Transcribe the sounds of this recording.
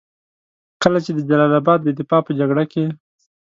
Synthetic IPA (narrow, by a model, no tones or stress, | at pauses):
kəlat͡ʃed̪əd͡ʒalɑlabɑd̪̚ːəd̪ɪfɑpəd͡ʒaɡɽake